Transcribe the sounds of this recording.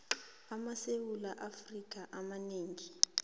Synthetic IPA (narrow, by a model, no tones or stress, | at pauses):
amasewulaʔafrik̬ʼaʔamaneːŋi